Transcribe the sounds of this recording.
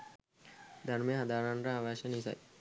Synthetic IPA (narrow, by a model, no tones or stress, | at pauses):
d̪ʱaɾmejɦad̪aːɾanɾaaːʋaːʃənisa̰j